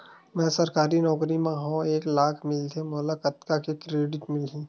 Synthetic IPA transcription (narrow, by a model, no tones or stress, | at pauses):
mɛ̃ːsɐɾkaːɾinɔːkɾimẽɦõeːklaːkʰmɪlt̪ʰemoːlakət̪kakekɾeːɖɪʈmɪlɦĩː